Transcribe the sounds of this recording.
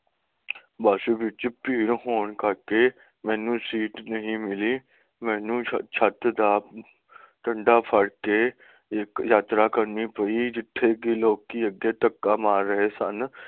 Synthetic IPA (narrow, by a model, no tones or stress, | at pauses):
baːʃubɪt͡ʃpiːɾɦoːɳkəɾke | mɛ̃ːnũːsiːʈnəɦĩmɪliː | mɛ̃ːnũːt͡ʃʰət̪d̪aː | ʈə̃ɳɖaːpʰəɽke | ekjaːt̪ɾaːkəɾnipəid͡ʒɪʈʰːeːkiloːɡkiːəɡeːt̪əkːaːmaːɾːəɦesən